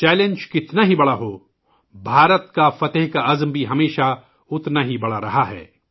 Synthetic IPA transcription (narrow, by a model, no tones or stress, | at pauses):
t͡ʃɛːlẽnd͡ʒkɪt̪naɦibɐɽaɦoː | bʱaːɾət̪kafɐt̪əɦkaɐzmbʱiɦɐmeːʃa | ʊt̪naɦibɐɽaɾɐɦaɦɛ̰ː